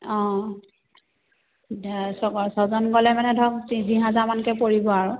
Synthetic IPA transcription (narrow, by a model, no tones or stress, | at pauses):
ɔ̃ | sɔɡɔsɔzɔnɡɔlɛmanɛdʱɔk̚iziɦazamankɛpoɹibɔaɹʊ